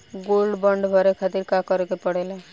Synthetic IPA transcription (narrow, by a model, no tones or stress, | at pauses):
ɡolɖbəɳɖbʱəɾekʰat̪iɾkakəɾkepəɽele